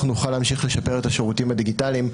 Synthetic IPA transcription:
χunuχalamʃiχle̞ʃape̞ʁet̪aʃeʁutimad̪iɡitalim

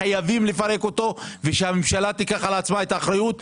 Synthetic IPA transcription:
ajavimlefaʁe̞ko̞t̪o̞veʃehamemʃalat̪ikaχalat͡smae̞t̪aːχɾajut̪̚

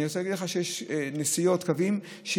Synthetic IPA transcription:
iot͡sɛlaɡidleχaʃejeʃnesijo̞t̪kavim | ʃe

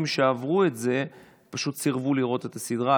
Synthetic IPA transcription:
mʃeavʁue̞tze̞ | paʃut̪siʁvuliʁo̞t̪et̪asidʁa

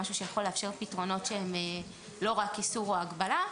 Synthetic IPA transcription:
aʃuʃejaχo̞lːeafʃe̞ʁpitʁo̞no̞tʃeeme | lo̞ʁakisuʁoaɡbala

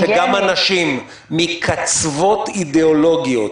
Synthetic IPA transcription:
eɡamanaʃimː | ikʰat͡svo̞t̪id̪eolo̞ɡijo̞t

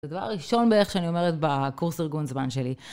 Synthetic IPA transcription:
edava̰ʁːiʃo̞nbeeχʃeanio̞me̞ʁetbekuʁsiʁɡunzmanʃeli

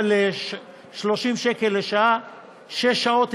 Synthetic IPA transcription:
le | ʃloʃimʃekelːeʃaa | ʃeʃːao̞t̪

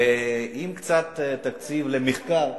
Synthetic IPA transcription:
eimkt͡sat̪t̪ːakt͡sivlemeχkaʁ

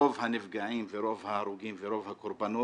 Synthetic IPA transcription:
ovɦaneviɡaiveɾovɦaɾuɡiveɾovakuɾpano

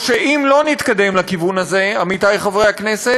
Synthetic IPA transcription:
ʃeʔimlo̞nit̪kad̪e̞mlakivunaze̞amit̪ajχavʁejhakne̞se

